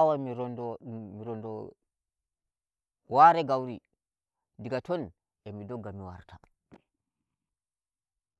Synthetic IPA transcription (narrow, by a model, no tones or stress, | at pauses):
wamiɾndɔmiɾɔndɔ | waɾɛɡawɾi | diɡatɔn | ɛmidɔɡːamiwa̰ɾtʰa